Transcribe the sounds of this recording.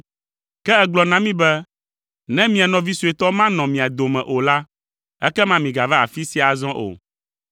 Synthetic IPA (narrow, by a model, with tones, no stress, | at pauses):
kɛ˦ɛ˦ɡ͡blɔ˨nã˦mĩ˦bɛ˦ | nɛ̃˦mĩ˨a˨nɔ̃˨vi˦su˨e˨t̪ɔ˦mã˦nɔ̃˨mĩ˨a˨d̪o˨mɛ̃˨ʔo˨la˦ | ɛ˦kɛ˦mã˦mĩ˨ɡa˨vɛ˦a̰˨fi˦si˦a˨zɔ̃˦ʔo̰˨